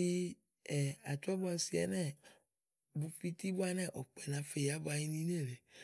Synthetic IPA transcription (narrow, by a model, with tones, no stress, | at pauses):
i˦ | ɛ˨a˨t̪ɔ˦ba˨˧˦si˨ɛ̰˨˦nɛ̃˦˨ | bu˧fi˦t̪i˦bu˦a˦nɛ̃˦˨ʔɔ˨k͡pɛ˨nã˨˦fe˨ja˦bo˦a˨ji˦nĩ˦n˦e˦˨le˨